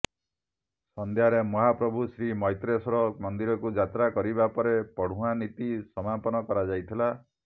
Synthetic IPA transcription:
sɔnd̪ʱjaɾemɔɦapɾɔbʱusɾimɔjt̪ɾesɔɾɔmɔnd̪iɾɔkud͡ʒat̪ɾakɔɾibapɔɾepɔɽ̤ũanit̪isɔmapɔnɔkɔɾad͡ʒajt̪ʰila

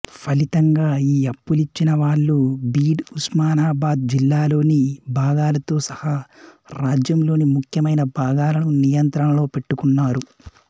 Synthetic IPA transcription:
pʰɐlit̪ɐŋɡaːiːɐpːulit͡ʃːinɐʋaːɭːubiːɖusmaːnaːbaːd̪̚d͡ʒilːaːlo̞ːnibʱaːɡaːlɐt̪o̞ːsɐhaɾaːd͡ʒjɐmlo̞ːnimukʰjɐmɐjnɐbʱaːɡaːlɐnunijɐnt̪ɾɐnɐlo̞ːpe̞ʈːukunːaːɾu

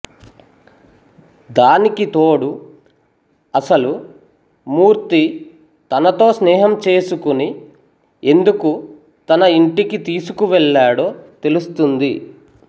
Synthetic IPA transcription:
d̪aːnikit̪oːɽu | ɐsɐlu | muːɾt̪i | t̪ɐnɐt̪o̞ːsnɛːɦɐmt͡ʃe̞ːsukuni | e̞nd̪uku | t̪ɐnɐiɳʈikit̪iːsukuʋɛɭːaːɽo̞ːt̪e̞lust̪und̪i

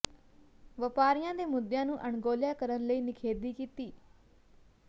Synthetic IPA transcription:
ʋəpaːɾɪjãːd̪eːmʊd̪ːjãːnũːʔəɳɡoːljaːkəɾənləiːnɪkʰeːd̪iːkiːt̪iː

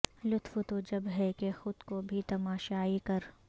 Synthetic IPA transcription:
lʊt̪fʊt̪od͡ʒɐbɦɛkexʊd̪kobʱit̪ɐmaːʃaːikɐɾ

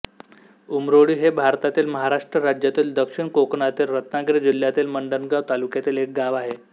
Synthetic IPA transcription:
umɾoɽiːɦebʱaɾt̪at̪iːlməɦaɾaʂʈɾəɾad͡ʑjat̪iːld̪əkʂiɳkokɳat̪iːlɾət̪naɡɾed͡ʑil̤jat̪iːlməɳɖənɡaʋt̪alukjat̪iːlek̚ɡaʋaɦe

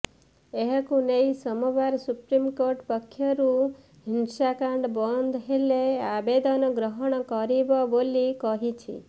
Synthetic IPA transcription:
eɦkũneisəmɔʋaɾsupɾimkoɾʈpəkʰːjəɾũ | ɦinsakãɳɖbɔnd̪ʱɦeleabed̪ɔnɔɡɾəɦɔɳ̃kɔɾiʋɔbolikɔɦit͡ʃʰḭ

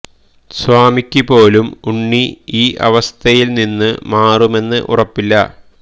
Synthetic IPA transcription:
sʋaːmikʲːipo̞ːlumuɳːiiːʔɐ̰ʋɐst̪ʰɐjilninːɨmaːrume̞nːɨ̰ʔṵrɐpːilːɐ̰

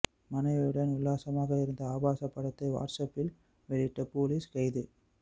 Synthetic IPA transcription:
mɐnɐɪʋɯɽɐnʊɭːaːsɐmaːɣɐɪɾɯnd̪ɐaːbaːsɐpːɐɽɐt̪ːɐɪʋa̰ːɾsɐpːɪl | ʋɛɭɪʈːɐpoːliskɐɪðɯ

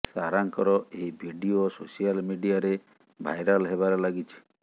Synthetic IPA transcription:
saɾaŋkɔɾɔeɦibʱiɖiososijalmiɖijaɾe | bʱa̰jɾalɦeβaɾɔlaɡit͡ʃʰi̥

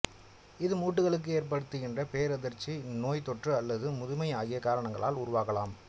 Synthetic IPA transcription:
ɪðɯmuːʈːɯɣɐɭɯk̬ːɯeːrp̬ɐɽɯt̪ːɯɣɪndrɐpeːɾɐðɪɾt͡ʃinoːjt̪ɔʈrɯɐlːɐðɯmʊðʊmɐɪaːɣɪjɐkaːɾɐɳɐŋɡɐɭa̰ːlʊɾʊʋaːkɐlaːm

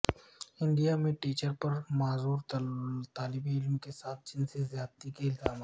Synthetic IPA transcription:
ɪ̃ɳɖijamẽʈiːt͡ʃəɾpɐɾmaːzuːɾt̪aːlɪbiɪlmkesaːt̪̚ʰd͡ʒɪnsezjaːd̪t̪ikeɪlzaːmaː

